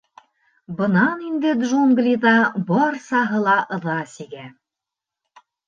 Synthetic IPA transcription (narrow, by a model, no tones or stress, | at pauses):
bɤ̆nɑnind̪ɘd̪ʐuŋɡlʲiðɑbɒɾsɑɦɤ̆lˠɑʔɤ̆ðɑsiɡæ